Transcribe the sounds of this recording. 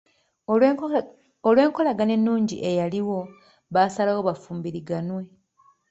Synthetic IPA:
olwe̞ːŋko̞laɡane̞nːuːɲɟḭʔe̞jaliwo̞ | βasalawo̞βafuːmbiɾiɡanwe̞

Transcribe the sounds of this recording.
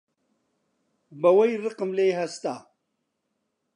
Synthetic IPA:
bɐwɐjɾəqmlejɦast̪a

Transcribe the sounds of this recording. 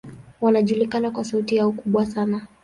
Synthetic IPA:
wanaʄulikanakwasautijaɔkuɓwasana

